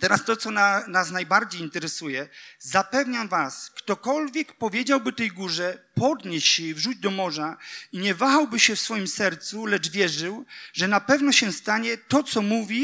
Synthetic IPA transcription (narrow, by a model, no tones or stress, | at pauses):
t̪ɛɾast̪ɔt̪sɔnanasnajbaɾd͡ʑejint̪ɛɾɛsujɛzapɛvɲamvaskt̪ɔkɔlvʲjɛkpɔvʲjɛd͡ʑawbɘt̪ɛjɡuʐɛpɔd̪ɲɛɕɕɛivʐud͡ʑd̪ɔmɔʐaiɲɛvaxawbɘɕɛfsfɔjimsɛɾt̪sulɛd͡ʐvʲjɛʐɘwʐɛnapɛvnɔɕɛst̪aɲɛt̪ɔt̪sɔmuvʲi